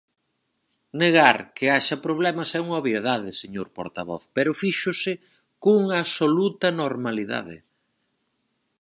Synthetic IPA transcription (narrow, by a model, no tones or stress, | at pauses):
neɣaɾkɪaʃɐpɾoβ̞lɛmɐsɛuŋoβjeðaðɪseɲoɾpo̰ɾt̪a̰βɔ̰θpɛɾʊfiʃʊsɪ | koŋaːsolut̪ɐnoɾmaliða̰ðɪ̰